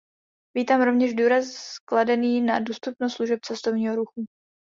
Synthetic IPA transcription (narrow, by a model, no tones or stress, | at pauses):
viːt̪aːmɾo̞vɲɛʒduːɾaskladɛniːnadust̪upnost̪sluʒɛp̚t͡sɛst̪ovɲiːɦoɾuxu